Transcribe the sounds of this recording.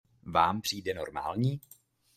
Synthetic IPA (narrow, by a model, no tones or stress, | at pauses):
vaːmpr̥iːdɛno̞̰ɾma̰ːlɲiː